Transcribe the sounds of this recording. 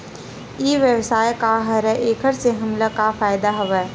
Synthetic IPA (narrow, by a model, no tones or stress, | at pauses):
iːʋjəʋsaːjkaɦɐɾɛʔeːkʰəɾseɦɐmlakafaːjd̪aɦɐʋɛː